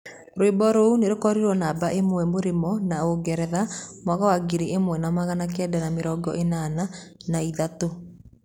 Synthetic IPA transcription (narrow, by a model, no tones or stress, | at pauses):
ɾoebɔɾouneɾokɔɾiɾwɔnaːbaʔemwɛmoɾemɔnaoɡɛɾɛðamwaɣawaɡeɾeʔemwɛnamaɣanak̬ɛdanameɾɔːɡɔ̰ʔenananaiðato